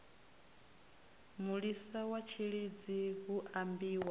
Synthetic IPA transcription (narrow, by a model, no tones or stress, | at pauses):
muɺisawat͡ʃʰiɺid͡ziɦuʔambiːwa